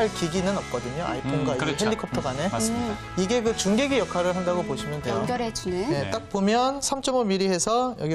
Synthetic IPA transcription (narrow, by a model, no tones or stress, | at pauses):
aɭkiɡinɯnʌp̚k͈ʌdɯɲoa̰ipʰenɡwaieɦeɭːikʰʌp̚tʰʌɡane̞ | iɡe̞kɯt͡ɕuŋɡeɡijʌkʰaɾɯɭɦandaɡoboɕʰimjʌndejɡjʌɾet͡ɕnene̞t͈ak̚pomjʌnsʰamt͡ɕ͈ʌmʌmiɾihe̞sʰʌjʌɡi